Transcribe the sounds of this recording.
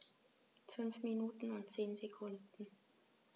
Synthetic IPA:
fʏnfminuːtn̩ʊntt͡seːnzekʰʊndn̩

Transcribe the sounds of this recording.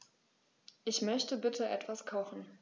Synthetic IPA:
ʔɪçmœçtəbɪtʰəʔɛtv̥askʰaʊxn̩

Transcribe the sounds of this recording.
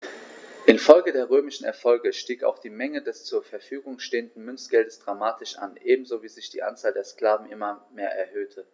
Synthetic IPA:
ʔɪnfɔlɡədeːɐʁøːmɪʃn̩ɛ̰ɐfɔlɡəʃtiːka̰ʊxd̥iːmɛŋədɛst͡suːɐfɛɐfyːɡʊŋʃteːəndn̩mʏnt͡sɡ̥ɛldəsd̥ʁamaːtʰɪʃʔa̰nʔeːbm̩zoːviːzɪçd̥ḭːʔa̰nt͡saːldeːɐsklaːvn̩ʔɪmɐmeːɐʔɛɐɦøːtʰə

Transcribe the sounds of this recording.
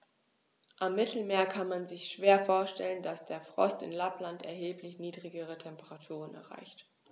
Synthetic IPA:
ʔamːɪtʰl̩meːɐkʰanmanzɪçʃv̥eːɐfoːɐʃtɛ̰ləndasd̥eːɐfʁ̥ɔ̰stɪ̰nlaplantɛɐɦeːplɪçniːdʁɪɡəʁ̞ətʰɛmpəʁatʰuːʁ̞ənɛ̰ɐʁa̰ɪçt

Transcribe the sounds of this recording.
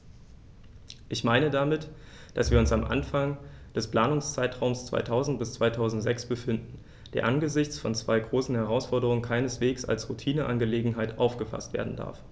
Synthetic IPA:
ʔɪçmaɪnədamɪt | d̥asv̥iːɐʊnsamʔa̰nfaŋ | d̥ɛspl̥aːnʊŋst͡saɪtʁ̥aʊmst͡sv̥a̰ɪtʰaʊzn̩t̚b̥ɪst͡sv̥aɪtʰaʊzn̩tz̥ɛksb̥əfɪndn̩ | d̥eːɐʔanɡəzɪçt͡sfɔnt͡sv̥aɪɡʁoːsn̩hɛʁ̞aʊsfɔɐdəʁʊŋənkʰaɪnəsv̥eːksa̰lsʁutʰiːnəʔanɡəleːɡŋ̩ɦaɪtʔaʊfɡ̥əfa̰stv̥ḛɐdn̩da̰ɐf

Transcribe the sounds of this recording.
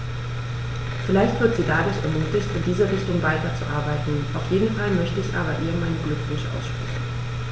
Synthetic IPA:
fɪlaɪçtv̥ɪɐtz̥iːdaːdʊɐçɛ̰ɐmyːtɪçtɪndiːzɐʁɪçtʊŋvaɪtɐt͡suʔaɐbaɪtn̩ʔaʊfjeːdn̩falmœçtəɪçʔa̰ːbɐʔiːmaɪnənɡlʏkv̥ʊçʔa̰ʊsʃpʁ̥ɛçn̩

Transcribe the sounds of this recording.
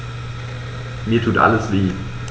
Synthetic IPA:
miːɐtʰuːtʔa̰ləsv̥iː

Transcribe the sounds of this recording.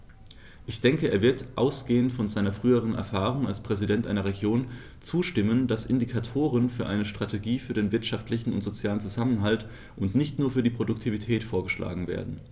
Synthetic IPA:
ʔɪçd̥ɛŋkəʔḛːɐvɪɐtʔa̰ʊsɡ̥eːəntfɔnzaɪnɐfʁ̥yːəʁ̞ənɛ̰ɐfaːʁʊŋalspʁ̥ɛzidɛntʔa̰ɪnɐʁ̞eɡjoːn | t͡suːʃtɪməndasʔɪ̰ndikʰatʰoːʁ̞ənfyːɐʔaɪnəʃtʁ̥atʰeɡiːfyːɐdeːnvɪɐtʃaftlɪçn̩ʊ̰ntz̥ot͡sjaːlənt͡suzamənɦalt | ʔʊntnɪçtnuːɐfyːɐdiːpʁ̥odʊktʰivitʰɛːtfoːɐɡəʃlʔa̰ːɡŋ̩vḛːɐdn̩

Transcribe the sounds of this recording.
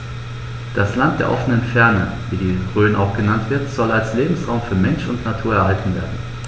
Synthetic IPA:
d̥aslant̚d̥eːɐʔɔfənənfɛɐnə | viːdiːʁøːnʔaʊxɡ̥ənantv̥ɪɐtz̥ɔlalsleːbm̩sʁaʊmfyːɐmɛnʃʊntnatʰuːɐɛɐhaltn̩veːɐdn̩

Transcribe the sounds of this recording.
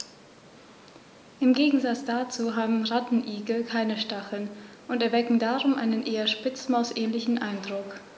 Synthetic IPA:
ʔɪmɡeːɡŋ̩zat͡sd̥at͡suːɦaːbm̩ʁatn̩ʔiːɡl̩kʰaɪnəʃtaχl̩n | ʔʊntɛɐvɛkŋ̩daːʁʊmʔaɪnənʔeːɐʃpɪt͡smaʊsʔɛːnlɪçn̩ʔaɪndʁʊk

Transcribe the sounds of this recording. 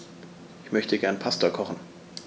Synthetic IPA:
ʔɪçmœçtʰəɡɛɐnpʰastɐkʰɔχn̩

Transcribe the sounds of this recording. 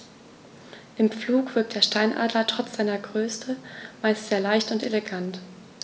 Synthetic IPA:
ʔɪmp͡fluːkv̥ɪɐk̚td̥eːɐʃtaɪnʔa̰ːdlɐtʁ̥ɔt͡sz̥aɪnɐɡʁøːstʰəmaɪstz̥eːɐlaɪçtʊnteleɡant

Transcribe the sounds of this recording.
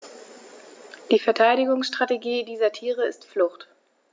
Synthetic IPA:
d̥iːfɛɐtʰaɪɾɪɡʊŋsʃtʁ̥ateɡiːdiːzɐtʰiːʁ̞əɪstflʊχt

